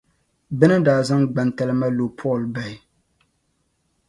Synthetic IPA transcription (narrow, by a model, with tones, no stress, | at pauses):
bɨ˦nɨ˦daː˨zɨ˦ŋɡ͡ba˨nta˦lɨ˦ma˦lo˨pʰɔ˦˨lba˦˨ɪ˨